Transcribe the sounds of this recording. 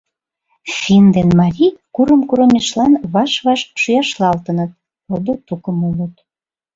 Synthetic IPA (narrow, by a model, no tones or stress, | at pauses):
fʲind̪enmɑɾʲikuɾəmkuɾə̆meʃlɑnβɑʃβɑʃʃujɑʃlɑlt̪ənət̪̚ | od̪ot̪ukəmolət̪